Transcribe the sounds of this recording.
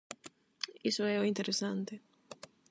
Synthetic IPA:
isoɛoint̪eɾesant̪e

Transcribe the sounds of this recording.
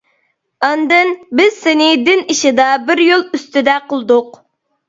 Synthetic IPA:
ɑnd̪ɨnbɪz̥sɪnɪd̪ɪniʃɪd̪ɑbɪɾjolˠyst̪yd̪ɛqəlˠd̪ʊq

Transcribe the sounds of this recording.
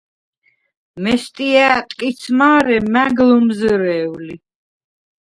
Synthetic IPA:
mɛst̪ʼiæːt̪ʼkʼit̪sʰmaːɾɛmæɡlumzɾɛːwli

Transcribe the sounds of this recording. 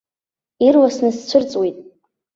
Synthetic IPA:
irwasnɨst͡ɕʷʰʊrt͡sʼwitʼ

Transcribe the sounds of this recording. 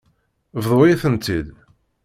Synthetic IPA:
vðˤojiθənt̪ːid̪

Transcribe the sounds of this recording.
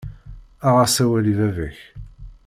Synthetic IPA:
aʁasæwæliðævæç

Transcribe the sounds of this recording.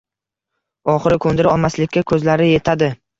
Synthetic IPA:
ɒχɨɾɪkʰɵnd̪ɪɾɪɒlˠmaslɪkʲːakʰɵzlaɾɪje̞t̪ʰad̪ɪ

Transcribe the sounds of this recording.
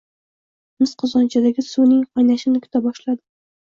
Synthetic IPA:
mɨsqʰʊzɒnt͡ʃʰad̪aɡʲɪsunɪŋɒjnaʃɪnɪkʰʲʊ̥t̪ʰabɒʃlad̪ɪ

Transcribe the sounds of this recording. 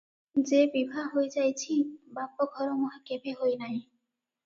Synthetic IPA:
d͡ʑebibʱaɦojd͡ʑajt͡ɕʰibapːoɡʱɔɾomoɦakebeɦojnaj

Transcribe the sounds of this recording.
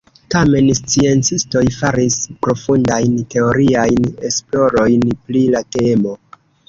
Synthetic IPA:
tame̞nst͡sie̞nt͡sisto̞jfaɾispɾo̞fundajnte̞o̞ɾiajne̞splo̞ɾo̞jnplilatemo

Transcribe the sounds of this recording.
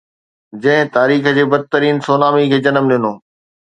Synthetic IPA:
d͡ʑɐ̃ɦɪ̃t̪aːɾiːxə̆d͡ʑeːbɐd̪̚t̪əɾiːnsoːnaːmikʰeːd͡ʑɐnəmɗɪnoː

